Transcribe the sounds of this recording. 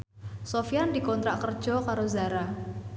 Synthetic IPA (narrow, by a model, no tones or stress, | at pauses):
sofijandikɔnt̪ɾaʔkərd͡ʒɔkaɾozaɾa